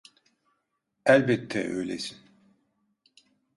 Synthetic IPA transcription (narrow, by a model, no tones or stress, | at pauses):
ælʲbɛt̪ʰːɛ̰ʔø̰jlʲesin